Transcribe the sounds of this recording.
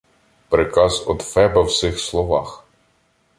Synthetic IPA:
pɾɪkɑzɔ̰d̪fɛbɐwsɪxslˠɔʋɑx

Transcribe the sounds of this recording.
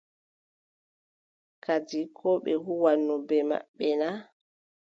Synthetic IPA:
kʰad͡ʒikʰɔɓɛhuwanːɔbɛma̰ɓːɛna

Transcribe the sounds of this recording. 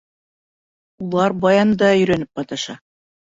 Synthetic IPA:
ulˠɑɾbɑjɑnd̪ɑɵ̆jɾænɘp̚qɑt̪ɑʃɑ

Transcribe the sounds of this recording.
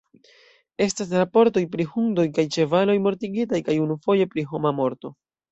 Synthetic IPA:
e̞stas̬ɾapo̞ɾto̞jpɾihuŋdo̞jkajt͡ʃe̞valo̞jmo̞ɾtiɡitajkajunufo̞je̞pɾiɦo̞mamo̞ɾto̞

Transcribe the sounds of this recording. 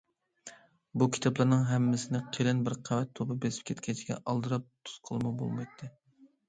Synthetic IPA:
bukʲʰi̥t̪ʰɑplˠɨɾnɨŋɦɛmːɪsɪnɪqʰeɾɪnbɪɾqʰæwɛt̪ʰːobɨbesɪ̥p̚kʲʰɛt̪kʲʰɛt͡ʃʰɡʲɛ̰ʔɑlˠd̪ɨɾɑp̚t̪ʰu̥sqʰəlˠmɑbo̰lˠmɑjt̪ʰːɨ

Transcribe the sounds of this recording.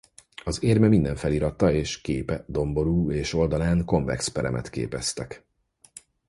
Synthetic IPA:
ɒzeːrmɛmind̪ɛɱfɛliːɾɒt̪ːɒeːʃkeːpɛd̪o̞mbo̞ɾuːeːʃo̞ld̪ɒlaːŋko̞ɱvɛ̰kspɛɾɛ̰mʔɛ̰t̪kḛːpɛst̪ɛk

